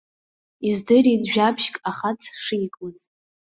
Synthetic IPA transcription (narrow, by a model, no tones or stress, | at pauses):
izdɨridʒᶣapʰʃkʼaχat͡sʰʂijkʼuzʼ